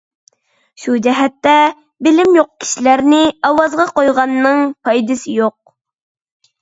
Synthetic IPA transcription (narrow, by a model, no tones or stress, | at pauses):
ʃud͡ʒɛɦɛt̪ːɛ | bɪlɪmjoq̚kʲʰi̥ʃilæɾnɪɑwɑzʁɑqojʁɑnːɨŋpʰɑjd̪ɨsɪjoq̚